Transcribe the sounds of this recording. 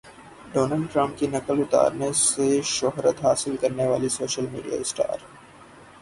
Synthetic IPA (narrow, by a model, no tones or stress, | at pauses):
ɖoːnaːlɖʈɾə̃mp̚kinɐkəlʊt̪a̰ːɾneseʃɔɦɾət̪ɦaːsɪlkɐɾneʋaːlisoːʃəlmḭːɖija̰ɪsʈa̰ːɾ